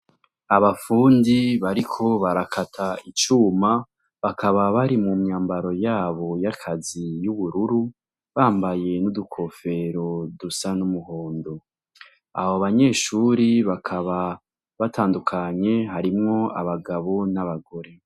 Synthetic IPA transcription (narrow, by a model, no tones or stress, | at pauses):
aβafuːndiβaɾikʰo̞βaɾakʰatʰait͡ʃuːma | βakʰaβaβaɾimumɲaːmbaɾo̞jaːβo̞jakʰazijuβuɾuɾu | βaːmbaje̞nudukʰo̞fe̞ɾo̞dusanumuhoːndo̞ | a̰hoβaɲe̞ːʃuːɾiβakʰaβa | βatʰaːndukʰaɲe̞ɦaɾimŋo̞aβaɡaβo̞naβaɡo̞ɾe̞